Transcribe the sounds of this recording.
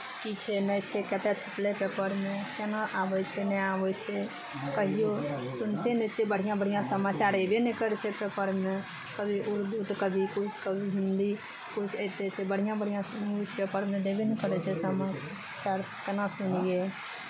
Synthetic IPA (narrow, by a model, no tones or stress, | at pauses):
kit͡ʃʰɛnəjt͡ʃʰɛkɛt̪ɛt͡ʃʰəplepepəɾmekenaʔabɛt͡ʃʰɛnɛabɛt͡ʃʰɛ | kəɦijosunt̪enɛt͡ʃʰɛbəɽ̤ijãbəɽ̤ijãsəmat͡ʃaɾebenɛkəɾɛt͡ʃʰɛpepəɾme | kəbʱiʔuɾd̪ut̪kəbʱikut͡ʃʰkəbʱiɦind̪i | kut͡ʃʰəɪt̪et͡ʃʰɛbəɽ̤ijãbəɽ̤ijãut͡ʃʰpepəɾmẽd̪ebenɛkəɾɛt͡ʃʰɛsəma | t͡ʃaɾ | kɛnasunije